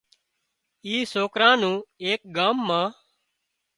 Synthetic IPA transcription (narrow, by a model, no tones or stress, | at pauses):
iːsoːkɾãːnũːeːk̚ɡaːmːãː